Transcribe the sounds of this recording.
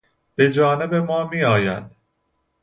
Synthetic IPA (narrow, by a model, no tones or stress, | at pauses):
b̥e̞d͡ʒɒːne̞be̞mɒːmiːɒːjæ̰d̪̥